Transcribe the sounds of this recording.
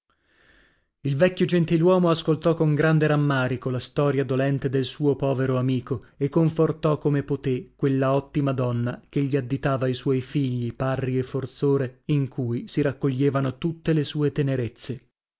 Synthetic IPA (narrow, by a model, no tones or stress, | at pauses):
ilvɛkʲːjod͡ʒent̪ilwɔːmoaskolt̪ɔkoŋɡɾand̪eɾamːaːɾikolast̪ɔːɾjad̪olɛnt̪ed̪elsuːopɔːveɾoamiːkoekːoɱfort̪ɔkːomepot̪ekːwelːaɔt̪ːimad̪ɔnːak̟eʎːiad̪ːit̪aːvaijswɔjfiʎːiparːiefort̪soːɾeiŋkʰujsiɾakːoʎːeːvanot̪ut̪ːelesuːet̪eneɾet̪sːe